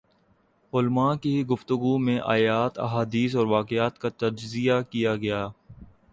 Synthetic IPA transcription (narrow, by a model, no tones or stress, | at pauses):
ʊlmaːkiɡʊft̪ʊɡumẽʔa̰ːjaːt̪ɐ̰ɦaːd̪iːs̬ɔːɾʋaːqɪaːt̪kat̪ɐd͡ʒzijakijaɡɐjaː